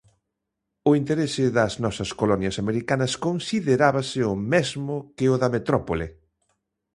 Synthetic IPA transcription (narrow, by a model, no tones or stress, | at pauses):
ʊint̪eɾesɪðɐznɔsɐskolɔnjɐsameɾikanɐskonsiðeɾaβɐsɪʊmezmʊkɪʊðɐmet̪ɾɔpolɪ̰